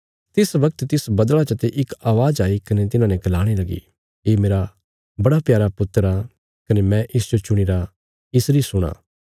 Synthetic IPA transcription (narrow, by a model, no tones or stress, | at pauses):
t̪ɪsʋɐk̚t̪t̪ɪsbɐd̪ɭat͡ʃɐt̪eʔɪkaːʋaːd͡ʒaːikɐnet̪ɪnãːnɛkɐlaːɽ̃elɐɡḭ | eːmeːɾa | bɐɽapjaːɾapʊt̪əɾa | kɐnemɛ̃ʔɪsd͡ʒot͡ʃʊɽ̃iːɾa | ɪsɾisʊɽ̃a̰ː